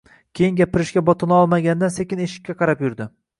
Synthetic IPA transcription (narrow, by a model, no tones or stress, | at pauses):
kʲʰe̞jɪŋɡʲapɪɾɪʃkʲabɒt̪ʰɪnɪɒlˠmaɡʲand̪ansekʲɪneʃɪ̥kʲʰːaqʰɑɾapjʊɾd̪ɪ